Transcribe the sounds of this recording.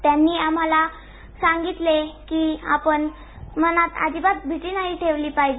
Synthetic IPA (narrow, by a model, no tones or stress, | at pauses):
t̪janːiːam̤ala | sãŋɡit̪lekiːa̰pəɳ | mənat̪a̰d͡ʑibat̪̚bʱiʈiːnaɦiːʈʰeʋliːpaɦid͡ʑi